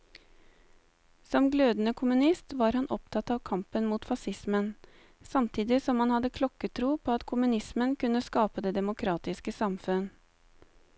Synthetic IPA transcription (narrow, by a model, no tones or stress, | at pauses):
sɔmɡløːd̪n̩əkʰʊmʉnɪst̪ʋɑːɾhɑnʔɔpt̪ʰɑt̪ɑːʋkʰɑmpənmuːt̪fɑsɪsmən | sɑmt̪ʰiːd̪ɪsɔmhɑnhɑd̪əkʰlɔkət̪ʰɾuːpʰoːɑt̪kʰʊmʉnɪsmənkʉnːəskɑːpəd̪eːd̪ɛmʊkʰɾɑːt̪ɪskəsɑmfʉn